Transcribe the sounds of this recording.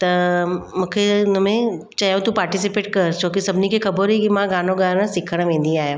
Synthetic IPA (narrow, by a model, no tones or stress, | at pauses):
t̪ɐmũːkʰenəmẽ | t͡ɕajõt̪upaːɾʈis̬ipeːʈ̚kɐɾt͡ʃʰoːkisɐbʱɪnikʰexɐbəɾɦikimãɡaːnoɡaɾə̃sɪkʰəɽ̃ʋẽnd̪iaːɦjaː